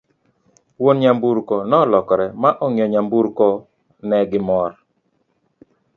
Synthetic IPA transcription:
wonɲambuɾkɔnɔlɔkɔɾɛmaʔɔŋɪɔɲambuɾkɔ | nɛɡɪmɔɾ

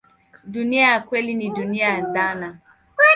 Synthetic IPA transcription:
duniakʷelinidunian̩dana

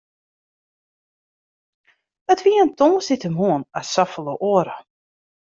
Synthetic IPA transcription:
ətʋiəntoːsɪtəmɦuənasafəlˠəʔəɾə

